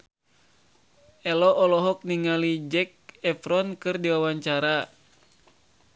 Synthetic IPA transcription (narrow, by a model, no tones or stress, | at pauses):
ɛlɔʔːlɔɦɔk̚niŋalid͡ʒɛk̚ɛfɾɔnkɨrdiwawaɲt͡ʃaɾa